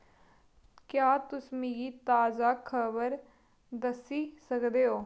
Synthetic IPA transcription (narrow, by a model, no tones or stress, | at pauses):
kjaːt̪ʊsmiɡiːt̪aːzaːkʰəbəɾ | d̪əsiːsəkd̪eːoː